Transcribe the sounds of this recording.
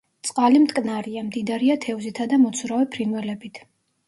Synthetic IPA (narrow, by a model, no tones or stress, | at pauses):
t̪sʼqʼalimt̪ʼkʼnaɾiamd̪id̪aɾiat̪ʰɛvzit̪ʰad̪amɔt̪sʰvɾavɛpʰɾinwɛlɛbit̪ʰ